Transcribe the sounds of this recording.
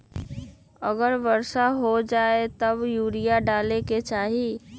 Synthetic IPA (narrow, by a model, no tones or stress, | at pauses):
əɡəɾʋəɾʃaɦod͡ʒaːet̪əbjuːɾijaɖaːleket͡ʃaːɦi